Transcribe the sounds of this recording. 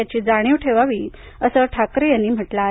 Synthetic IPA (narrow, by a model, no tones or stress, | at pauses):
at͡ɕiːd͡zaɽ̃iːʋʈʰeʋaʋiː | əsəʈʰakɾejanːiːm̤əʈla